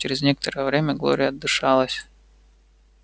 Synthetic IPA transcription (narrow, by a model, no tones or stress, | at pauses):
t͡ɕɪɾʲɪzʲnʲekət̪əɾəjəvɾʲemʲəɡlˠo̰ɾʲɪjəɐd̪ːɨʂɑlˠəsʲ